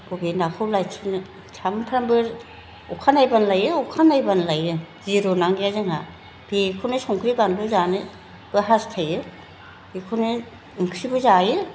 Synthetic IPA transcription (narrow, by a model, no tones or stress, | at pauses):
bobenakʰɯwlajtʰɯnɯ | tʰampʰɾambɯɾ | ukʰanajbanlajɯukʰanajbanlajɯ | ziɾonaŋɡiazɯŋa | b̥ekʰonɯsɔŋkʰɾibanbɯzanɯ | b̥ɯɦastʰajɯ | b̥ekʰonɯ | uŋkʰɾibɯzajɯ